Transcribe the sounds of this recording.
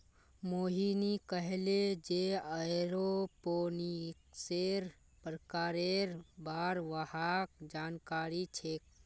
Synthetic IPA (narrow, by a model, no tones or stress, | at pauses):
moːɦinikəɦeled͡ʒeəeɾoponikseɾ | pɾəkaːɾeɾbaːɾʋəhak̚d͡ʒaːnkaːɾit͡ʃʰek̚